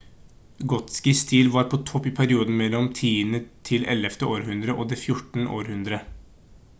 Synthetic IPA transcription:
ɡɔt̪skɪst̪ʰiːlʋɑːɾpʰɔt̪ʰɔpːɪpʰæɾɪuːd̪n̩mɛlːɔmt̪ʰiːənət̪ʰɪlʔɛ̰lɛft̪əʔoːɾɦʉnd̪ɾəʔoːd̪ɛfjʊʈɳ̩ʔo̰ːɾhʉnd̪ɾə

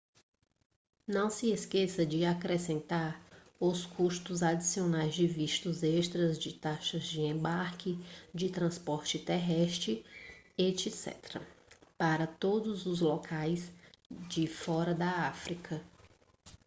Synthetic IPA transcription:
nɐ̃w̃sɪeskesɐd͡ʒɪakɾesẽnt̪aɾ | ʊskʰuʃt̪ʊzad͡ʒisionajzd͡ʒɪviʃt̪ʊzeʃt̪ɾɐzd͡ʒɪt̪aʃɐzd͡ʒɪẽbaɾkɪd͡ʒɪt̪ɾɐ̃spɔɾt͡ʃɪt̪ɛɦɛʃt̪ɾɪet͡ʃɪsɛ̰t̪ɾɐ̰paɾɐt̪od̪ʊzʊzlɔkʰajsd͡ʒɪfɔɾɐd̪ɐafɾikʰɐ

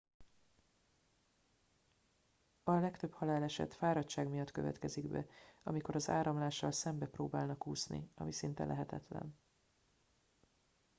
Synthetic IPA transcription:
ɒlɛkt̪ø̞phɒlaːlɛʃɛ̰t̪faːɾɒtt͡ʃaːɡmijɒt̪kø̞̰vɛ̰t̪kɛziɡbɛ̰ɒmiko̞ɾɒzaːɾɒmlaːʃːɒlsɛmbɛproːbaːlnɒkuːsnḭɒmisint̪ɛlʔɛɦɛt̪ɛt̪lɛ̰n

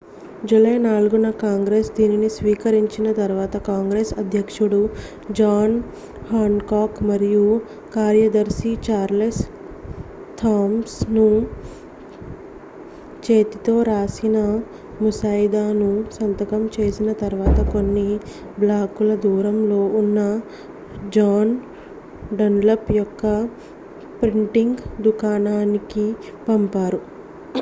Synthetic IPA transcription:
d͡ʒulɐjɐnaːluɡunɐkaːŋɡɾeːsd̪iːninisʋiːkɐɾiɲt͡ʃinɐt̪ɐɾʋaːt̪ɐkaːŋɡɾeːsɐd̪ʱjɐkʂuɽu | d͡ʒaːn | haːɳkaːkmɐɾiju | kaːɾjɐd̪ɐɾsit͡ʃaːɾles | t̪ʰaːmsnu | t͡ʃeːt̪it̪o̞ːɾaːsinɐ | musaːjd̪aːnusɐnt̪ɐkɐmt͡ʃe̞ːsinɐt̪ɐɾʋaːt̪ɐko̞nːi | blaːkulɐd̪uːɾɐmlo̞ːunːɐ | d͡ʒaːn | ɖɐnlɐpjɔkːɐ | pɾiɳʈiŋɡd̪ukaːnaːniki | pɐmpaːɾu

